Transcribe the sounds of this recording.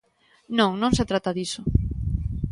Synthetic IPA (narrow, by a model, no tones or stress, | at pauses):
nõŋnõŋset̪ɾat̪aðiso